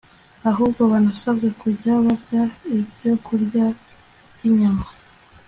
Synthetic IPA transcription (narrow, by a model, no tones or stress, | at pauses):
aɦubɡo̞βanasabɡe̞kuɾɟaβaɾɟaibɟo̞kuɾɟḁ | iɲama